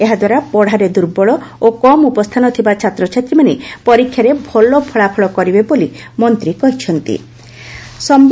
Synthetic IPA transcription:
eɦad̪waɾapɔɽ̤aɾed̪uɾbɔɭɔokɔmupɔst̪ʰanɔt̪ʰibat͡ʃʰat̪ɾɔt͡ʃʰat̪ɾimanepɔɾikʰːjaɾebʱɔlɔpʰɔɭapʰɔɭɔkɔɾibeboli | mɔnt̪ɾikɔɦit͡ʃʰɔnt̪ḭ | sɔmb

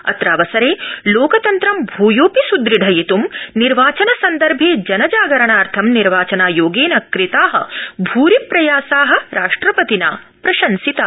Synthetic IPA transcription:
ɐ̰t̪ɾaːʋɐsɐɾeːloːkɐt̪ɐnt̪ɾɐmbʱuːjoːpisud̪ɾiɖʱɐjit̪umniɾʋaːt͡ʃɐnɐsɐnd̪ɐɾbʱeːd͡ʒɐnɐd͡ʒaːɡɐɾɐɳaːɾt̪ʰɐmniɾʋaːt͡ʃɐnaːjoːɡeːnɐkɾit̪aːɦɐ̰bʱuːɾipɾɐjaːsaːɦɐ̆ɾaːʂʈɾɐpɐt̪ina̰ːpɾɐʃɐnsit̪a

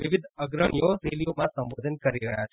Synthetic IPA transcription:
ʋiʋid̪ʱəɡɾəɳ̃ijoɾelijomãsə̃mʋod̪ʱənkəɾiɾəɦjat͡ʃʰ

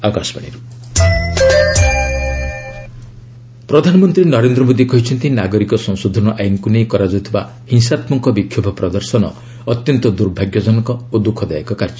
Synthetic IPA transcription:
akasɔ̥paɽ̃ḭɾu | pɾɔd̪ʱanɔmɔnt̪ɾinɔɾend̪ɾɔmod̪ikɔɦit͡ʃʰɔnt̪ʰinaɡɔɾikɔsɔ̃ŋsod̪ʱɔnɔʔajnɔkunejkɔɾad͡ʒɔut̪ʰiba̰ | hiŋsat̪mɔŋkɔbikʰjɔbʱɔpɾɔd̪ɔɾsɔnɔ̰ | ɔt̪jɔnt̪ɔd̪uɾbʱaɡjɔd͡ʒɔnɔkɔod̪ukʰɔd̪ajekɔkaɾd͡ʒɔ

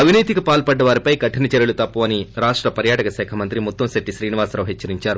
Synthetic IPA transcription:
ɐbʱiniːt̪ikɐpaːlpɐɖːɐʋaːɾipɐjkɐʈʰːinɐt͡ʃɐɾjɐɭlut̪ɐpːuʋɐːniɾaːʂʈɾɐpɐɾjaːʈɐkɐsɛːkʰɐmɐnt̪ɾimut̪ːɐmseʈːiʃɾiːniʋaːsɾaːʋɦet͡ʃːɐɾiɲt͡ʃaːɾu

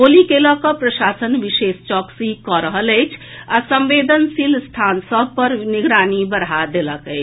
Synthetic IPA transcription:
oːlikeːləkapɾɐʃaːsənʋɪʃeːst͡ʃɔːksikɔɾəɦələt͡ʃʰasə̃mʋeːd̪ənsilst̪ʰaːnsəbpəɾnɪɡɾaːnibəɾɦad̪eləkə

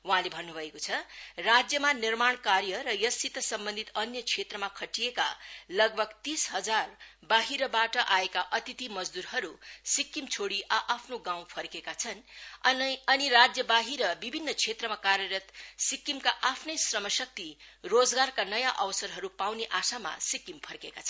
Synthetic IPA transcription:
waɦãlebʱʌnːubʱʌekot͡sʰʌrad͡zjʌmanirmaɳkaɾjʌɾʌjʌsit̪ʌsʌmbʌnd̪ʱit̪ʌnjʌkʰet̪rʌmakʰʌʈijeka̰lʌɡ̚bʱʌɡt̪isɦʌd͡zar | baɦiɾʌbaʈʌʔaekaʔʌt̪it̪imʌd͡zd̪uɾɦʌɾusikːimt͡sʰoɽiʔʌʔapʰnoɡaw̃pʰʌrkekat͡sʰʌn | ʌnirad͡zjʌbaɦiɾʌbibʱinːʌkʰet̪rʌmakaɾjʌɾʌt̪sikːimkaʔapʰnʌjsrʌmʌsʌk̚t̪irod͡zɡarkanʌjaʔʌwsʌɾɦʌɾupawneʔasama̰sikːimpʰʌrkekat͡sʰʌn

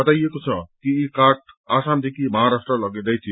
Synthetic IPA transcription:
bʌt̪ajekot͡sʰʌkiikaʈ̚asamd̪ekʰimʌɦaɾasʈrʌlʌɡid̪ʌjt͡sʰi

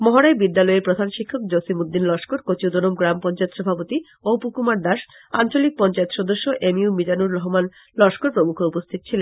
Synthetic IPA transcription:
mɔɦoɽaebid̪ːalɔeɾpɾod̪ʱanʃikʰːok̚d͡ʑosimud̪ːinlɔʃkoɾkot͡ɕiud̪onomɡɾampɔnt͡ɕaet̪ʃɔbʱapot̪i | opukumaɾd̪aʃ | ant͡ɕolik̚pɔnt͡ɕaet̪ʃɔd̪oʃːoʔemiumid͡ʑanuɾɾɔɦoman | lɔʃkoɾpɾomukʰoupost̪ʰit̪o̥t͡ɕʰilen

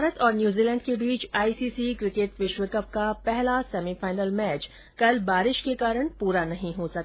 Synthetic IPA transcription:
baːɾət̪ɔːɾnjuːziːlɛ̃ːɳɖkebiːt͡ʃaːiːsiːsikɾɪkeʈʋɪʃʋɪkəp̚kapɛɦlasɛːmifaːɪnəlmɛːt͡ʃ | kɐlbaːɾɪʃkekaːɾəɳ̃puːɾanɐɦĩɦosɐk̚ː

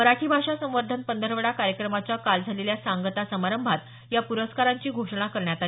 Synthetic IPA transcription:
məɾaʈʰiːbʱaʂasə̃ʋəɾd̪ʱənpənd̪ʱəɾʋəɽakaɾjəkɾəmat͡ɕakald͡zʱaleljasaŋɡət̪asəmaɾəmbʱat̪ | japuɾəskaɾaɲt͡ɕiːɡʱoʂəɳakəɾɳjat̪a

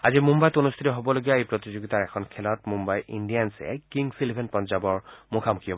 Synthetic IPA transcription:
azimumbajtonust̪ʰitɔɦobɔloɡijaejpɹot̪izoɡitaɹɛkʰɔnkʰɛlɔtmumbajʔindijansɛ̰kiŋɡsilibʱenpɔnzabɔɹmokʰamukʰiɦɔb

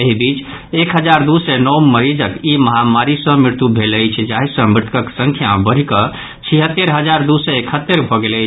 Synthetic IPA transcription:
eɦibit͡ʃ | ekɦəd͡ʒaɾd̪usɛnɔwməɾid͡ʒəkiməɦamaɾisə̃mɾiɾt̪ubʱeləjt͡ʃʰd͡ʒaɦisə̃mɾt̪ʰkəksə̃ŋkʰjabəɾ̤ikə | t͡ʃʰiɦət̪ːeɾɦəd͡ʒaɾd̪usɛekʰət̪ːeɾbʱɔɡeləɪt͡ʃʰ

